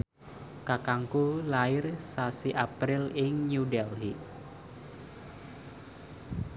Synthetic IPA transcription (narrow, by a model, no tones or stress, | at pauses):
kakaŋkulaɪrsasiʔapɾɪlɪŋɲudɛlɦiʔ